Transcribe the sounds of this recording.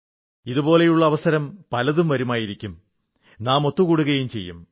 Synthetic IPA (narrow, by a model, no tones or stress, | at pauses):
iðubo̞ːle̞juɭːɐʋɐsɐɾɐmpɐlɐðumʋɐɾumaːjiɾikʲːum | naːmo̞t̪ːukuːɽuɣɐjumt͡ɕe̞̰jːum